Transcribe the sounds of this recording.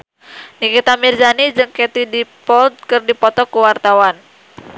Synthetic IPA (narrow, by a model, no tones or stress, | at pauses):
nikit̪amird͡ʒanid͡ʒɨŋkɛt̪idipɔld̪̚kɨrdipɔt̪ɔkuwart̪awan